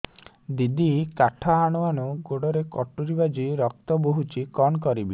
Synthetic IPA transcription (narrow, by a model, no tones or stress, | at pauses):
d̪id̪ikaʈʰaːɽ̃ɔaɽ̃uɡoɽɔɾekɔʈuɾibad͡ʒiɾɔk̚t̪ɔboɦut͡ʃʰikɔnkɔɾibi